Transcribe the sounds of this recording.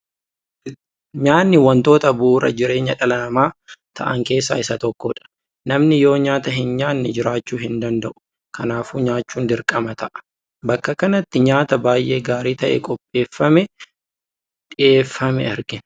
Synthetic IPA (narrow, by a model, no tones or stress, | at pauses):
ɲaːnːɪwɐnt̪o̞ːt̪ɐbuːɾɐ̰d͡ʒɪɾe̞ːɲɐᶑɐlɐnɐmaːt̪ʰɐ̰ʔɐŋke̞ːsːa̰ːɪsɐt̪ɔkːɔᶑɐ̥ | nɐmnɪjo̞ːɲaːt̪ɐɦɪnɲaːnːɪd͡ʒɪɾaːt͡ʃːuːɦɪnd̪ɐnd̪ɐʔʊ̥ | kʰɐnaːfuːɲaːt͡ʃːuːnd̪ɪɾkʼɐmɐt̪ɐʔɐ̥ | bɐkːɐkɐnɐt̪ːɪɲaːt̪ɐbaːjʔe̞ːɡaːɾiːt̪ɐʔɛ̰kʼɔpʼːe̞ːfːɐmɛ | ᶑɪeːfːɐmɛɛɾɡɪ